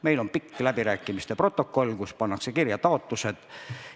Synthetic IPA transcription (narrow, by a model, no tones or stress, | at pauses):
me̞jlo̞mpikːlæbiɾæːkːˑimist̪epro̞t̪ːˑo̞kːˑo̞lʲːkuspɑnːɑkse̞kirjɑt̪ɑo̞t̪ːˑuse̞d̪̥